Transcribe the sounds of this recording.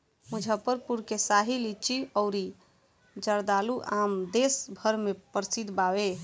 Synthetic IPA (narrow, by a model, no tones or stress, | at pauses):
mud͡ʒʱəpəɾpuɾkesaɦilit͡ʃiɔʊɾi | d͡ʒəɾd̪aluʔamd̪esbʱəɾmepəɾsid̪ʱbawe